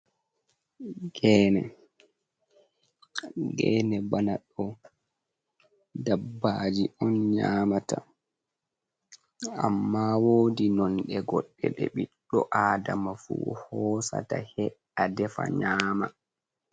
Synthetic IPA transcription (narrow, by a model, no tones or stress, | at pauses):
ɡɛːnɛ | ɡɛːnɛbanaɗɔ | dabːad͡ʒiʔɔnɲaːmata | amːaːwoːdinɔnɗɛɡɔɗːɛɓɛɓiɗːɔʔaːdamafṵhɔːsa̰tahɛɗadɛfa̰ɲaːma